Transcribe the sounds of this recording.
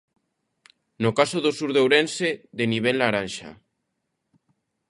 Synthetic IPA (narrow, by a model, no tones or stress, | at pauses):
nokasoðosuɾðewɾenseðeniβ̞elːaɾanʃa̰